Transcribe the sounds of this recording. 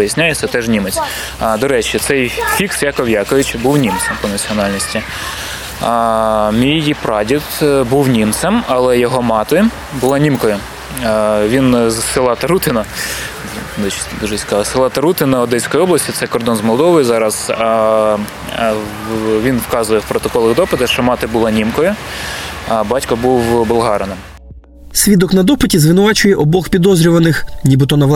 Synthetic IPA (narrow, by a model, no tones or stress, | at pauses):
ɪjisʲnʲajesʲɛt̪ɛʒnʲimet͡sʲ | d̪ɔɾɛt͡ʃɪt̪sɛjfʲiksjɑkɔʋjɑkʊjʊt͡ʃʲbuwnʲimt̪sɛmpɔnɐt͡sʲiɔnɑlʲnʲisʲtʲi | mʲijipɾɑdʲit̪buwnʲimt̪sɛmɐlˠɛjɔɦɔmɑt̪ɪ | bʊlˠɑnʲimkɔjʊ | ʋʲinzsɪlˠɑt̪ɐɾut̪ɪnɐ | d̪ut͡ʃd̪uʒɛsʲkɑɐsɪlˠɑt̪ɐɾut̪ɪnɐɔd̪ɛsʲkɔjiɔblˠɐsʲtʲit̪sɛkɔrd̪ɔnzmɔlˠd̪ɔʋɔjizɑɾɐz̥ɑ | ʋʲinwkɑzʊjɛwpɾɔt̪ɔkɔlˠɪɣd̪ɔpɪt̪ɐʃt͡ʃɔmɑt̪ɪbʊlˠɑnʲimkɔjʊ | ɐbɑtʲkɐbuwbɔlˠɦɑɾɐnem | sʲʋʲid̪ɔknɐd̪ɔpɪtʲizʋɪnʊʋɑt͡ʃʊjɛʔɔbɔxpʲid̪ɔzɾʲʊʋɐnɪxnʲibɪt̪̬ɔnɐʋˠ